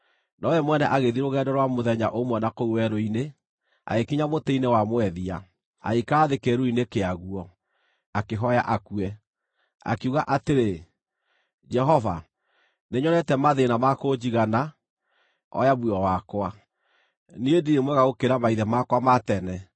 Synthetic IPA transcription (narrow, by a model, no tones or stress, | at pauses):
nɔɛmwɛnɛʔaɣeðiɾoɣɛdɔɾwamoðɛɲaʔomwɛnakouwɛɾoine | a̰ɣekiɲamoteinewamwɛðia | a̰ikaːðekeɾoinekeaɣuɔ | akeɦɔja̰ʔakuɛ | a̰kuɣaʔateɾe | d͡ʒɛɦɔva̰ | neɲɔnɛtɛmaðenamakod͡ʑiɣana | ɔ̰jaβuɔwakwa | niediemwɛɣaɣokeɾamaiðɛmakwamatɛnɛ